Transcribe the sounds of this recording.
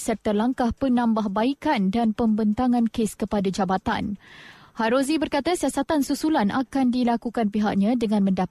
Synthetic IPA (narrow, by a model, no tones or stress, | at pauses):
sərt̪alaŋkahpənãmbaɦbaikandanpəmbənt̪aŋãnkeskəpadad͡ʒabat̪a̰nhaɾozibərkat̪asiasat̪ansusulanakandilakukanpiɦaʔ̚ɲãdəŋãnmə̃nda